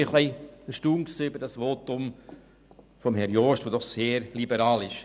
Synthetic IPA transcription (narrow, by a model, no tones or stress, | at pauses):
iχliɪəʃtuːŋksiːybəɾd̥ɑsʋoːt̪ʊm | fɔmɦɛɾjoːʃtʋoːdɔχseːɾlibəɾɑːlɪʃ